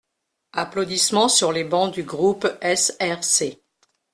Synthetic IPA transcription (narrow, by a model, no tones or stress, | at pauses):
aplod̪ismɑ̃syʁlebɑ̃d̪yɡʁupɛsɛʁse